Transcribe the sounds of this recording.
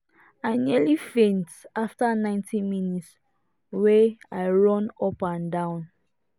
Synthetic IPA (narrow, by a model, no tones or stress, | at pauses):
aɪnɛlifẽntaftanãɪ̃ntʰĩminits | weaɪɹɔ̃nɔpãndãʊ̃n